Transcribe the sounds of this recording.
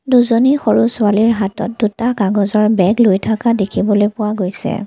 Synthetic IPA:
duzonixoɹusʊaliɹɦatɔ̰t̚dutakaɡɔzɔɹbɛɡlojtʰakadekʰibɔlojpʊwaɡojsɛ̰

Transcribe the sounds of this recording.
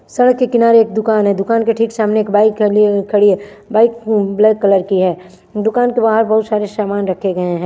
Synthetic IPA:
sɐɽəkːekɪnaːɾeeːk̚d̪ʊkaːnɦɛ̃d̪ʊkaːnkeʈʰiːksaːmneeːkbaːɪklʰːɐɽie | baːɪkblɛːkːɐləɾkiɦɛː | d̪ʊkaːnkebaːɦəɾbɐɦʊt̪saːɾesaːmaːnɾɐkʰeɡɐeɦɛ̃ː

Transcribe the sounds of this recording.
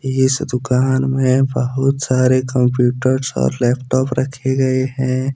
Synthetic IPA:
ɪsd̪ʊkaːnmẽbəɦʊt̪saːɾekə̃mpjuːʈəɾsɔ̰ːɾlɛːpʈɔːpɾəkʰeɡɐeɦɛ̃ː

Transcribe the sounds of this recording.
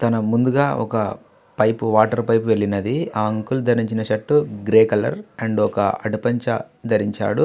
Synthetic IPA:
t̪ɐnɐmund̪uɡaːʔɔ̰kɐ | pɐjpuʋaːʈɐɾpɐjpuʋe̞ɭinɐd̪iaːɐŋkuld̪ʱɐɾiɲt͡ʃinɐʃɐʈːuɡɾeːkɐlɐ̰ɾɐɳɖɔkɐ̰ɐʈipɐɲt͡ʃɐ̰ | d̪ʱɐɾiɲt͡ʃa̰ːɽu

